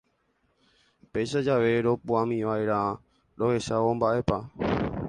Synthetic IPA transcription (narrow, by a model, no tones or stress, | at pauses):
pejʃad͡ʒaʋe̞ɾo̞puãmĩʋaeɾa | ɾohe̞saombaʔe̞pa